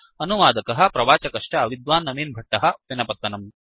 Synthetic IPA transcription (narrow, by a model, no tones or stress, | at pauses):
ɐnuʋaːd̪ɐkɐɦɐ̆pɾɐʋaːt͡ʃɐkɐʂʈɐɐʋid̪ʋaːnːɐmiːnbʱɐʈːɐɦɐʋinɐpɐt̪ːɐnɐm